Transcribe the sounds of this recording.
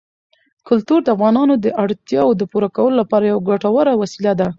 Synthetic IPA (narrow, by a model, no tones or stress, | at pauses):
kʊlt̪uɾd̪əafɣɑnɑnod̪əʔaɽt̪jɑod̪əpuɾakawəlolapɑɾajawaɡaʈawaɾawasilad̪a